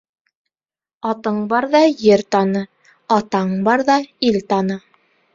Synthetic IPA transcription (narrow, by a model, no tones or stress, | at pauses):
ɑt̪ɤɴbɑɾðɑjɘɾt̪ɑnɤ | ɑt̪ɑɴbɑɾðɑilt̪ɑnɤ